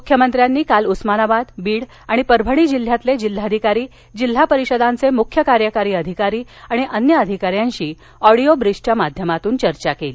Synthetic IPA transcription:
mukʰjəmənt̪ɾjanːiːkalusmanabad̪biːɽ | aɽ̃ipəɾbʱəɽ̃iːd͡ʑil̤ːjat̪led͡ʑil̤ːad̪ʱikaɾiː | d͡ʑil̤ːapəɾiɕəd̪ʱãnt͡semukʰjəkaɾjəkaɾiːəd̪ʱikaɾiːaɽ̃iʔənjəəd̪ʱikaɾjãɲɕiː | ɔɽijobɾiʂʈamad̪ʱjəmat̪uːnt͡ɕəɾt͡ɕakeliː

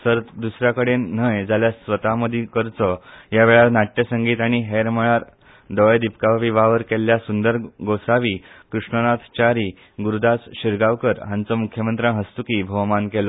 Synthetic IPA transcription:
səɾt̪d̪usɾjakəɽennəjd͡zaljasʋət̪aməd̪ʱikəɾt͡sɔjaʋeɭaɾnaʈːjəsəŋɡiːt̪aɽ̃iɦeɾməɭ̃aɾ | d̪ɔd̪ipkaʋʋiʋaʋəɾkeljasund̪əɾɡosaʋiːkɾuʂɳənat̪ʰt͡ɕaɾiː | ɡuɾud̪at͡sɕiɾɡaʋkəɾɦãnt͡sɔmukʰjəmənt̪ɾãɦəst̪ukiːbʱəʋmankelɔ

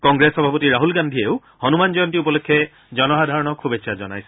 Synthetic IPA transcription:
kɔŋɡɹesxɔbʱapɔtiɹaɦulɡandʱieʊ | hɔnumanzɔjɔntiupɔlokʰːɛ | zɔnɔxadʱaɹɔnɔkʰubet͡ʃʰːazɔ̰na̰jsɛ

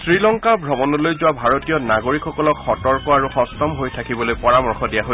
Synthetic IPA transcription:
sɹilɔŋkabʱɹɔbɔnɔlojzʊwabʱaɹotijɔnaɡoɹikxɔkɔlɔkxɔtɔɹkɔaɹuxɔstɔmɦojtʰakibɔlojpɔɹamɔɹxɔdijaɦo

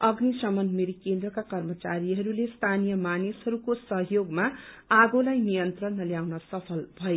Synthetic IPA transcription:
ʌɡnisʌmʌnmeɾikend̪rʌkakʌrmʌt͡saɾiɦʌɾulest̪ʰanijʌmaneshʌɾukosʌɦjoɡma | aɡolajnijʌnt̪rʌnːʌljawnʌsʌpʰʌlbʱʌe

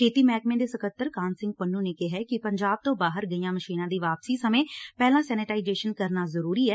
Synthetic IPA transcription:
kʰeːt̪iːmɛːkmẽːd̪eːsəkət̪ːəɾkãːnsɪ̃ŋɡ̚pənːũːneːkeɦɛːkɪpəɲd͡ʒaːb̚t̪õːbaːɦəɾɡəiːjãːməʃiːnãːd̪iːʋaːpsiːsəmẽːpɛːlãːsɛːnɪʈaːɪd͡ʒeːʃənkəɾnaːzəɾuːɾiːɛː

